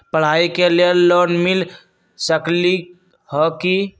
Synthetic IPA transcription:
pəɽ̤aikelellonmil | səkli | hɔki

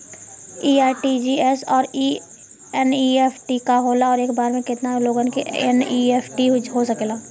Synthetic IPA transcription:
iːaːʈid͡ʒiɛsɔːɾi | ɛniepʰʈikaɦoːlaɔːɾeːkbaːɾmẽkɪt̪naloːɡənkeɛ̰nieːpʰʈiɦɦosɐkeːlaː

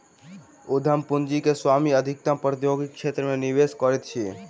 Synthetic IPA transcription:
ʊd̪ʱəmpʊnd͡ʒikeswamiəd̪ʱɪk̚t̪ãpɾət̪joɡikʃet̪ɾəmẽniʋeskɔɾɛt̪̚t͡ʃʰi

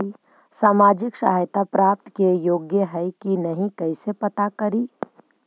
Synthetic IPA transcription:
i | saːmaːd͡ʒɪkʃa̰ːɦjt̪apɾaːp̚t̪kejoːɡjəɦɛikinɐɦĩkɐɪsepɐt̪akɐɾiː

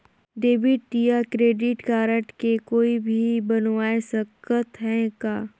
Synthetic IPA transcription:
ɖeːbɪʈʈijakɾeːɖɪʈkaːɾəʈkekoːibʱibɐnwaːesəkət̪ɦɛ̃kaː

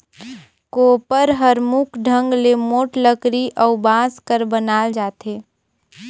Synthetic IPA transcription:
koːpəɾɦəɾmukʰɖʱə̃ŋɡlemoːʈləkɾiʔɔʊbãːskəɾbənaːld͡ʒaːt̪eː

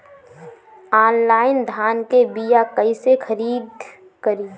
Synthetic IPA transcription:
aːnlaːɪnd̪ʱaːnkebijakəisexʰəɾiːd̪̚ | kəɾiː

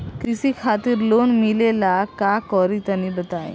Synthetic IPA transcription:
kɾisikʰat̪iɾlonmilelakakɔɾit̪ənibət̪aj̰

